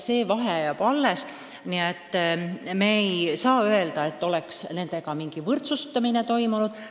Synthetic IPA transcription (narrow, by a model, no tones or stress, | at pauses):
se̞ːvɑɦejɑb̥ɑlːes | niet̪ːmejsɑːøe̞ld̪ɑe̞t̪ːo̞le̞ksne̞nd̪e̞ɡ̥ɑmiŋɡ̥ivɤrt̪sust̪ɑmine̞t̪o̞jmunud̪̥